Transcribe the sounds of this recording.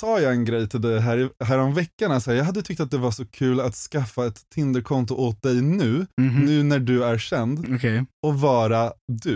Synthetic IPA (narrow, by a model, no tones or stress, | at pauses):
sɑːjɑːɛnɡɾɛjːt̪ʰɪld̪ɛɦæːɾɪɦæːɾɔmvɛkːaɳasɔhæːɾjɑːɡɦad̪ːət̪ʰʏk̚t̪at̪̚d̪ɛvaʂɔkʰʉ̟ːlat̪skafːaɛt̪ʰːɪnd̪əɾkʰɔnt̪ʊʔot̪̚d̪ɛjnʉ̟ːnʉ̟ːnæɖɵæɾʂɛnd̪ɔkʰɛjɔvɑːɾad̪ɵ